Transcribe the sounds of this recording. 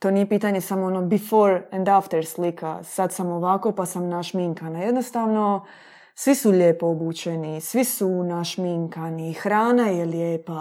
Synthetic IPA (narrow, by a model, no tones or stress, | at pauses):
t̪o̞ːnije̞piːt̪aɲe̞samoono̞bifo̞ːɾẽnd̪aft̪eɾslika̰sad̪samo̞ʋako̞pasamnaʃmiŋkanaje̞d̪no̞st̪aʋno̞ | sʋisuʎe̞ːpoobut͡ʃenisʋisunaʃmiŋkaniːxɾaːnajeljeːpa